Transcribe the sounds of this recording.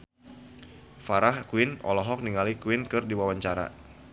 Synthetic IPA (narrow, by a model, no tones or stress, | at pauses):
faɾahkuwɪnɔ̰lɔɦɔk̚niŋalikwɪnkɨrdiwawaɲt͡ʃaɾa̰